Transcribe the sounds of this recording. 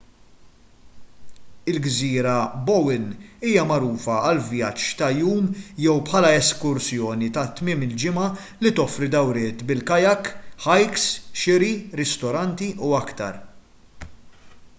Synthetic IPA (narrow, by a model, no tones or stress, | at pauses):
ɪlɡziːɾɐbɔwɪniːjɐmɐɾuːfɐɐlvjɐt͡ʃːt̪ɐjuːmjɛwpħɐlɐɛskʊɾsjɔːnit̪ɐt̪mɪːmɪld͡ʒɪmɐ | lit̪ɔfɾid̪ɐwɾɪːt̪bɪlkɐjɐkħɐjksʃɪɾiɾɪst̪ɔɾɐnt̪iuɐkt̪ɐ̰ɾ